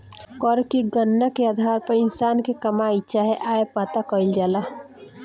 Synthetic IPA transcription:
kɔɾkeɡənːəkead̪ʱaɾpəɾinsankekəmait͡ʃaɦeʔajepat̪akəɪld͡ʒala

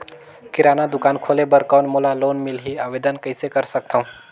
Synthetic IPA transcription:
kɪɾanad̪ʊkaːnkʰolebəɾkanmolaloːnmilɦiaʋed̪ənkəɪsekəɾsək̚t̪ʰaũ

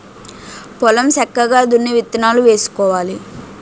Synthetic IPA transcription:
pɔlɐmsɐkːɐɡaːd̪unːiʋit̪ːɐnaːluʋe̞ːsu̥kɔːʋaːli

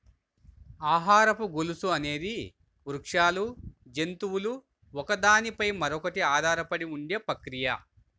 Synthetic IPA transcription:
aːɦaːɾɐpuɡolusuɐne̞ːd̪i | ɾukʂaːlud͡ʒe̞nt̪uwulu | ɔkɐd̪aːnipɐjmɐɾɔkɐʈiaːd̪ʱaːɾɐpɐɽiuɳɖeːpɐkɾijɐ

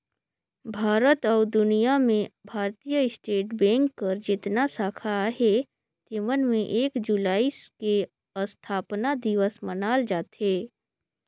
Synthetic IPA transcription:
bʱaːɾət̪ɔːd̪ʊnijamẽbʱaːɾt̪ijəɪsʈeːʈbɛ̃ːŋkːəɾd͡ʒɪt̪nasaːkʰaɦe | t̪ɪmənmẽʔeːkd͡ʒulaːiske | əst̪ʰaːpnad̪ɪʋəsmənaːld͡ʒaːt̪ɦeː

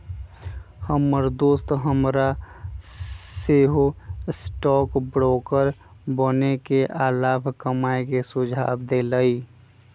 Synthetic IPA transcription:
həmːəɾd̪oːst̪ɦəmɾa | seɦosʈɔːkbɾɔːkəɾbənekeʔaːlaːbʰʱkəmaːekesʊd͡ʒʱa̰ːbd̪eləi

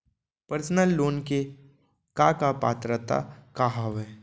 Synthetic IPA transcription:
pəɾsnəlːoːnke | kakapa̰ːt̪ɾət̪a̰kaɦaʋɛː

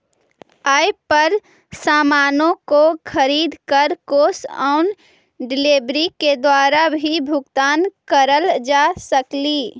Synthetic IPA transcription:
aːjpəɾ | saːmaːnõkokʰəɾiːd̪kəɾkoːsaʊn | ɖɪleːbɾiked̪waːɾabʱibʱʊɡt̪aːnkəɾəld͡ʒasəkliː

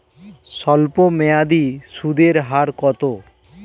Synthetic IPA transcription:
sɔlpomɛad̪isud̪eɾɦaɾkɔt̪o

